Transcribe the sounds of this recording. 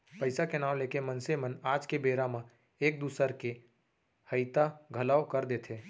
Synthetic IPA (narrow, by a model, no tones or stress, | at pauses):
pɐɪsakenaːwleːkemə̃nsemənaːd͡ʒkebeːɾamã | eːk̚d̪uːsəɾke | həɪt̪aɡʱəlaːwkəɾd̪eːt̪ʰeː